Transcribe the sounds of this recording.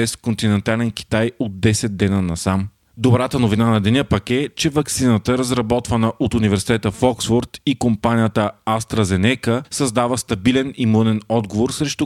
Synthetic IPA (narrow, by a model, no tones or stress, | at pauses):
ɛskont̪inɛnt̪alɛnk̟ʲi̥t̪ajod̪̚dːɛsɛd̪̚d̪ɛnənɐsam | d̪obɾat̪ənovinanɐd̪ɛnəpɐkɛt͡ʃɛvɐksinət̪əɾəzɾɐbɔt̪vənəʔot̪univɛɾsi̥t̪ɛt̪əfɔksfoɾt̪ikompanijət̪əast̪ɾəzɛnɛkəsəzd̪avəst̪ɐbilɛnimunɛnɔd̪ɡovoɾsɾɛʃt̪u